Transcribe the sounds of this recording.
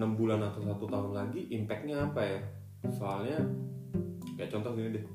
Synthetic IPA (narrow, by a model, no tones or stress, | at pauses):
nəmbulanat̪awsat̪ut̪aɦunlaɡiʔimpɛk̚ɲaːpaja | soalɲa | ɡia̰ʔt͡ʃɔnt̪ɔsinidɪh